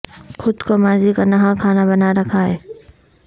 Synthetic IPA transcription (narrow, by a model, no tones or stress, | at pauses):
xʊd̪komaːzikanɐɦãkʰaːnabɐnaɾɐkʰaɦɛː